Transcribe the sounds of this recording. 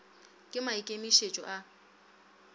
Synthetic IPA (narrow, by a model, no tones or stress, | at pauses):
kʼɪmaɪkʼemiʃet͡ʃʼɔ̰ʔa